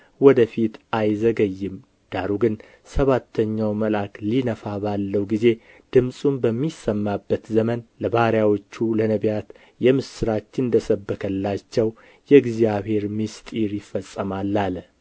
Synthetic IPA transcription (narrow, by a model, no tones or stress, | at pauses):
wɔd̪əfit̪ajzəɡəjːɪm | d̪̥aɾuɡɨn | səβat̪ʰːəɲːawməlaklinəfabalːəwɡize̞ | d̪̥ɨmsʼumbəmːisəmːabːət̪zəmənləbahɾjawot͡ʃːulənəβjat̪ | jɛmɨsɨɾat͡ʃːɪɨnnd̪əsəbːəkʰəlːat͡ʃːɛw | jɛɡzijaβhe̞ɾmist̪ʼiɾjɪfːəsʼəmalːal